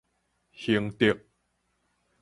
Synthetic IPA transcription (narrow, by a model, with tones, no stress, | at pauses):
hi˧˩əŋt̪i˧˩k̚